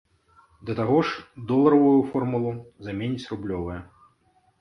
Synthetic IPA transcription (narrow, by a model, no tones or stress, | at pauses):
d̪ɐt̪aɣɔʂd̪ɔlˠɐɾɐvujufɔrmulˠuzamʲenʲit͡sʲrublʲɔvɐjɛ